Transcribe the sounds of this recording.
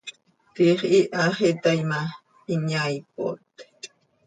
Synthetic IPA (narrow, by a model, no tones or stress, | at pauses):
t̪iχʔiʔaχit̪ajma | iɲajp̚o̰t̪